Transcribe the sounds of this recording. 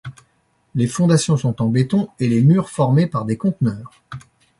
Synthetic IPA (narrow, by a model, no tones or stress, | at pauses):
lefɔ̃d̪asjɔ̃sɔ̃t̪ɑ̃bet̪ɔ̃elemyːʁfɔʁmepaʁd̪ekɔ̃t̪nœːʁ